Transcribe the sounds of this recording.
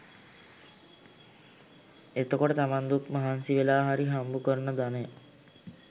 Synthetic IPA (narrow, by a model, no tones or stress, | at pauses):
et̪əkoʈət̪amand̪ukmaɦansiʋelaːɦaɾiɦambukəɾnəd̪ane